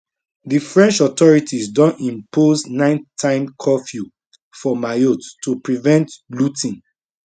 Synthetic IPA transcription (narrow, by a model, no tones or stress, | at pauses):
ðifɹɛ̃nt͡ʃɔtɔɹitʰizdɔ̃nĩmpʰoznãɪ̃ntʰãɪ̃mkʰɔfju | fɔmajottːupɹivɛ̃ntlutʰĩn